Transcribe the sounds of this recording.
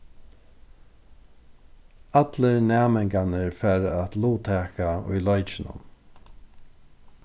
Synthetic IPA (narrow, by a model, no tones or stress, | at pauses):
at̪ləɹnæːmɛŋkanəɹfɛːɾat̪luːt̪ʰɛːkaʊ̰jlɔjt͡ʃɪnʊ̰m